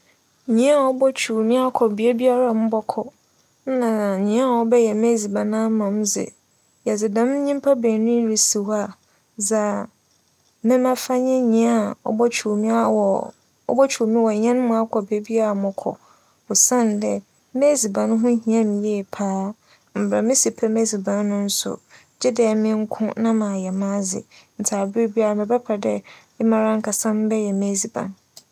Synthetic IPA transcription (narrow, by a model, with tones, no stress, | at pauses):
ɲĩ˦a˦˨ɔ˦bɔ˦t͡ɕʰu˨mĩ˦a˦kʰɔ˨bi˨e˦bi˦a˦ɾa˨mʊ̃˦bɔ˦kʰɔ˨ | n̩˦nã˨ɲĩ˨˦a˦a˨wɔ˦bɛ˦jɛ˨me˦zi˨bã˨nã˦mã˨m˦d͡zɪ̰˨ | jɛ˨d͡zɪ˨dã˨m̩˦ɲĩ˦m˦pʰa˦beː˨nĩ˦ɾi˨si˨wa˦˨ | d͡za˨ | mɪ̃˦mã˦fa˦ɲɛ̃˦ɲĩ˨a˦˨ɔ̰˦bɔ˦t͡ɕʰu˨mĩ˦a˨wɔ˨ | ɔ̰˦bɔ˦t͡ɕʰu˨o˨mĩ˦wɔ˨ɲɛ̃˦nʊ̃˦mʊ̃˦a˦kʰɔ˨be˦bi˦a˦a˨mʊ̃˨kʰɔ̰˨ | ʊ˨sã˦˨ndɛ˦ | me˦zi˨bã˨nʊ̃˦ɦʊ̃˦ɦĩ˨ã˦mɪ̃˨jɛː˦˨pʰaː˦ | m̩˨bɾa˨mɪ̃˦si˨pʰɛ˦me˦zi˨bã˨nː˦ʊ̃˦n̩˦sʊ̰˨ | d͡ʑɛ˦dɛ˨mɪ̃˦ŋ̩˦kʰʊ̃˦nã˦mã˨jɛ˨mã˦zɪ̰˨n̩˨tʰaː˨bɾi˦bi˦a˦ɾa˨mɪ̃˨bɛ˦pʰa˨dɛ˦ | ɪ˦mã˨ɾã˦ŋ̩˦kʰa˨sã˦m˦bɛ˦jɛ˨me˦zi˨bã̰˨n